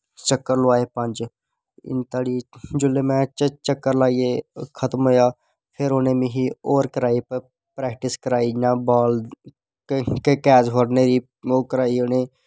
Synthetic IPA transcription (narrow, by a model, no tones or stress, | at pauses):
t͡ʃəkːəɾlʊʋaːeːpɐ̃nd͡ʒ | ɪ̰nt̪aːɽiːd͡ʒʊlːemɛ̃t͡ʃət͡ʃəkːəɾlaːijekʰət̪mɦoːjaː | pʰeɾoneːmĩɦioːɾkəɾaːipə | pɾɛːkʈɪskəɾaːinãːbaːl | ekɛːsɦoɾneɾiː | oːkəɾaːioneː